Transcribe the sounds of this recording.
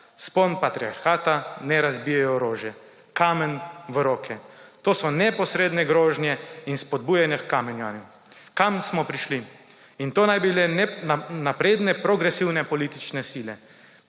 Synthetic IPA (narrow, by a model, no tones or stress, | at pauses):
sponpat̪ɾia̰ɾxaːt̪anɛɾazbijɛjɔɔɾoːʒjɛ | kaːmɛnʋɾoːkʰɛt̪oːsɔnɛpɔsɾeːd̪nɛɡɾoːʒnjɛinspɔd̪̚buːjɛnjɛkkaːmɛnjanju | kamsmɔpɾiʃli | int̪oːnajbilɛ | napɾeːd̪nɛpɾɔɡɾɛsiwnɛpɔliːt̪it͡ʃnɛsiːlɛ